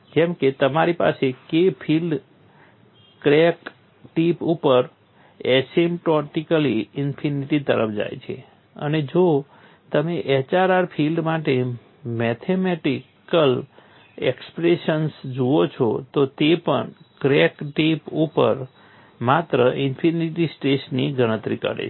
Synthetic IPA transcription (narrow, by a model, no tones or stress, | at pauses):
d͡ʒɛ̃mket̪əmaɾipa̰sekepʰilɖ | kɾɛk | ʈipupəɾ | ɛsemʈɔʈikəliɪnpʰiniʈit̪əɾəfʰd͡ʒa̰jt͡ʃʰḛ | ə̰ned͡ʒo | t̪əmeʔɛt͡ʃaɾaɾpʰilɖmaʈe | mɛt̪ʰemɛʈikəl | ekspɾeʃənsd͡ʒuot͡ʃʰot̪ot̪epə̰ɳkɾekʈipupə̰ɾ | mat̪ɾəʔɪnpʰiniʈisʈeʃniɡʱəɽ̃ə̃t̪ɾikə̰ɾḛt͡ʃʰ